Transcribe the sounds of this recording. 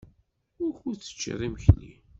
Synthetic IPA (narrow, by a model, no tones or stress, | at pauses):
ʊɾçuɾt͡sːə̥t͡ʃːḭɾˤiməçlḭ